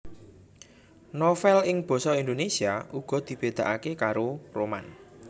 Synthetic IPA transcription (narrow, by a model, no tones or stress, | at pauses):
nofɛlɪŋb̥ɔ̤sɔind̪onesiaʔuɡ̥ɔ̤d̪̥i̤b̥e̤d̪̥ä̤ʔakekaɾoroma̰n